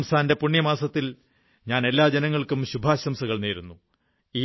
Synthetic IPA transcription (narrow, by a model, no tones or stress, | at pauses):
msʰaːnde̞puɳːjɐmaːsɐt̪ːil | ɲaːne̞lːaːd͡ʑenɐŋːɐɭkumɕubʱaːɕɐmsɐɣɐɭneːɾunːu | iː